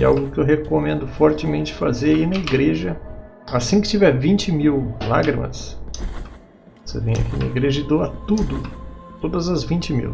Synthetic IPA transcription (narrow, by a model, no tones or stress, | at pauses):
a̰wɡʊkɪewɦekomẽnd̪ʊfɔɾt͡ʃɪmẽnt͡ʃɪ̥fazeɾainɐiɡɾeʒɐ | asĩkɪ̥t͡ʃivɛvĩt͡ʃɪmiwla̰ɡɾimɐ̰s | osḛvẽj̃a̰kinɐ̰iɡɾeʒɐɪd̪owɐt̪ud̪ʊt̪od̪ɐzɐzvĩnt͡ʃɪmḭw